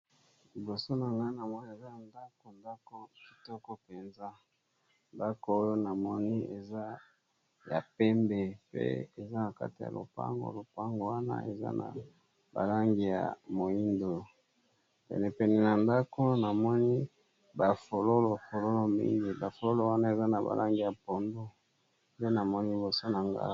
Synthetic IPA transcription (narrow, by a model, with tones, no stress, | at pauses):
li˨bo˨so˦na˨ŋɡa˦i˦na˨mɔ˦ni˦e˨za˦na˨nda˦ko˨nda˦ko˨ki̥˨tɔ˦kɔ˦pe˨nza˦ | nda˦ko˨o˦jo˦na˨mɔ˦ni˦ʔe˨za˦ | ja̰˨pɛ˦mbɛ˨pḛ˦e˨za˦na˨ka̰˦ti˨ja̰˨lo̰˨pa̰˦ŋɡo̰˨˦lo˨pa˦ŋɡo˨wa˦na̰˦ʔe˨za̰˦na̰˨ | ba̰˨la˦ŋɡi˨ja̰˨mo˨i˦ndo˨ | pɛ̰˨nɛ˨pɛ˨nɛ˨na˨nda˦ko˦na˨mɔ˦ni˦ | ba˨fo˨lo˦lo˨fo˨lo˦lo˨mḭ˦i˦ŋɡi˨ba˨fo˨lo˦lo˨wa˦na˦e˨za˦na˨ba̰˨lʔa˦ŋɡi˨ja˨po˨ndo˦ | nde˦na˨mɔ˦ni˦bo˨so˦na˨ŋɡa̰˨